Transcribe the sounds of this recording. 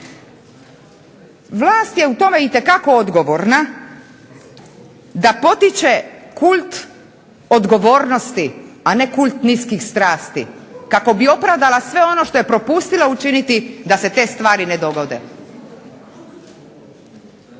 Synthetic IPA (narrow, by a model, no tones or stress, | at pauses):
ʋlˠaːst̪je̞ut̪o̞me̞it̪e̞kako̞od̪ɡo̞ʋo̞ɾna | d̪apo̞t̪it͡ʃekult̪ | o̞d̪ɡo̞ʋo̞ːɾno̞st̪iane̞kulʲt̪niskixst̪ɾaːst̪ḭkako̞bio̞pɾaʋd̪alasʋe̞o̞no̞ʃt̪o̞je̞pɾo̞pust̪ilaut͡ʃinit̪id̪ase̞t̪e̞ːst̪ʋaːɾined̪o̞ɡo̞d̪e̞̰